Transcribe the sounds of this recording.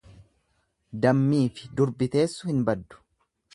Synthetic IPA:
d̪ɐmːiːfɪ̥d̪ʊɾbɪt̪e̞ːsːʊhɪnbɐd̪ːʊ̥

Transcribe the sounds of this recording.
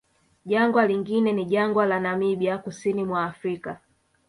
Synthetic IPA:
ʄaŋɡwaliŋɡinɛniʄaŋɡwalanamiɓiakusinimwaːfɾika

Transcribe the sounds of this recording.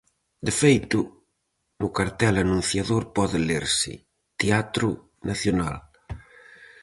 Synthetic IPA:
d̪ɪfejt̪ʊ | nʊkaɾt̪ɛlanũnθjaðoɾpɔðɪleɾsɪ̰ | t̪eat̪ɾʊ | nʔaθjonal

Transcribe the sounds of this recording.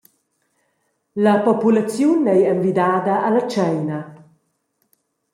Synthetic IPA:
ləpopulat͡sjunɛjeɱvid̪ad̪aʔːlɐt͡ʃɛjna

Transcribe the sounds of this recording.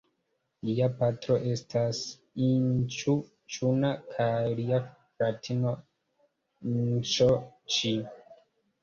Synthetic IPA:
liapatɾo̞ʔe̞stʰas | int͡ʃu | t͡ʃunakʰajlia | ɾatʰino | int͡ʃot͡ʃi

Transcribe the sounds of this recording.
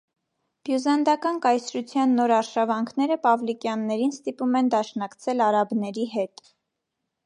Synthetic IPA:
b̥juzɑnd̪ɑkɑnkɑjsɾut͡sʰjɑnːɔɾɑɾʃɑvɑŋkʰnɛɾəpɑvlikjɑnːɛɾinst̪ipumɛnd̪ɑʃnɑkt͡sʰɛlɑɾɑbnɛɾiɦɛt̪

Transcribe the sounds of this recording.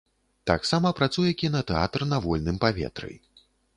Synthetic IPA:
t̪a̰ksamɐpɾat̪sujɛkʲinɐt̪ɛa̰t̪ɾnɐvɔlʲnɨmpavʲɛ̰t̪ɾɨ̰j

